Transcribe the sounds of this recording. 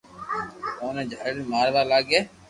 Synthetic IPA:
oːnẽːd͡ʒʱaɽmaːɾʋaːlaːɡeː

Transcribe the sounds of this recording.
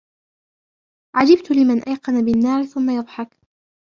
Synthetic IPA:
ʕad͡ʒɪbt̪ʊlɪmanʔajqɑnabɪnːaːɾɪθʊmːajɑðˤħɑk

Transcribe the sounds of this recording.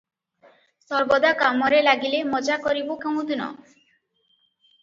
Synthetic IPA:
sɔɾbɔd̪akamɔɾelaɡilemɔd͡ʒakɔɾibokew̃ũd̪unɔ̰

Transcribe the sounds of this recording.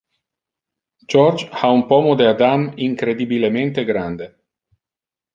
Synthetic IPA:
t͡ʃɔrt͡ʃhaumpɔmod̪ead̪amiŋkɾed̪ibilement̪eɡɾand̪e

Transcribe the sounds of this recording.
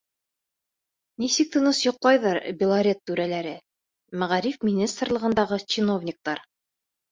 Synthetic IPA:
nisɘk̚t̪ɤ̆nɤsjŏqlˠɑjðɑɾbʲɪlˠaɾʲet̪ːʉɾælæɾɘ | mæʁæɾifmʲɪnʲist̪rlˠɤ̆ʁɤ̆nd̪ɑʁɤt͡ɕinovnʲɪk̚t̪ɑɾ

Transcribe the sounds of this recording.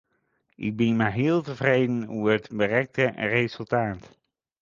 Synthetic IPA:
ʔɪ̰ɡ̚bɪnmaɦɪːlˠtəvrejdənuəɹətbərɛk̚tərezəlˠtaːt

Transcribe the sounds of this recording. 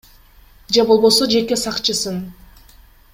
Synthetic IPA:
d͡ʒebo̞lˠbo̞so̞d͡ʒe̞ke̞sɑqt͡ʃɯsɯn

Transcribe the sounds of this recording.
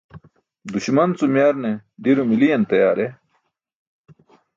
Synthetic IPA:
d̪uɕmɐnt͡sumjaːɾned̪iɾomilijɐnt̪ɐjaːɾe

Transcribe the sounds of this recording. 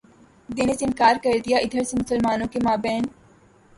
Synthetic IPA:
d̪eːneseɪnkaːɾkɐɾd̪ijaʔɪd̪ʱəɾsemʊsəlmaːnõkemaːbɛ̃ːn

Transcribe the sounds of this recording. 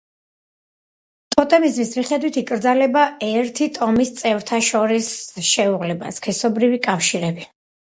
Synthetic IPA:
t̪ʼɔt̪ʼɛmizmismiχɛd̪wit̪ʰikʼɾd̪zalɛbaɛɾt̪ʰit̪ʼɔmist̪sʼɛvɾt̪ʰaʃɔɾisʃɛuʁlɛba̰skʰɛsɔbɾivikʼafʃiɾɛbi

